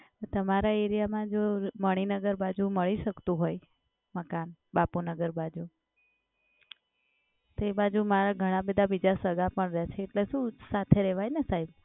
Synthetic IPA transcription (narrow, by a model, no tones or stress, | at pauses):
t̪əmaɾaeɾijamãd͡ʒoməɽ̃inəɡəɾbad͡ʒuməɭiʃəkt̪ũɦoj | məkanbapunəɡəɾbad͡ʒu | t̪oebad͡ʒumaɾaɡʱəɽ̃ãbəd̪ʱabid͡ʒasəɡapəɳɾat͡ʃʰeːʈleʃũsat̪ʰeɾɛʋajnesaib